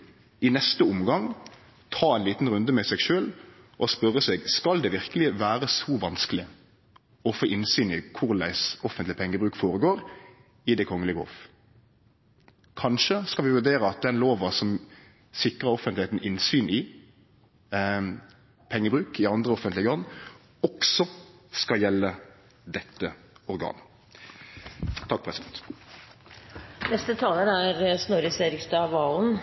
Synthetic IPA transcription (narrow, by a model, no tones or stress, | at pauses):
ɪnɛst̪əʊmɡɑŋ | t̪ʰɑːɛnliːt̪n̩ʁʉnd̪əmɛsɛːɡʃøːl | ʔɔspœɾːəsɛɡskɑld̪ɛʋɪʁkəlɪʋæːɾəsɔʋɑnskəlɪ | ɔfoːʔɪnsyːnɪkʰʊɾlæ̰ɪsɔfənt̪lɪpʰɛŋːəbʁʉːkfoːɾəɡoːɾ | ɪd̪ɛkʰɔŋːəlɪɡo̰ːf | kʰɑnʃəskɑlʋɪʋʉɾd̪eːɾəɑt̪̚d̪ɛnloːʋɑsɔm | sɪkʁəɾɔfənɪheːt̪n̩ɪnsyːnɪ | pʰɛŋːəbɾʉːkɪɑnd̪ʁəɔfənt̪lɪɡəɔnː | ɔksɔskɑjɛlːə | d̪ɛt̪ːə | ɔɾɡɑ̰ːn | t̪ʰɑk̚pʰɾɛsɪd̪ɛnt̪ | nɛst̪ət̪ʰɑːləɾæɾsnoɾəseɾɪɡst̪ɑʋɑːln̩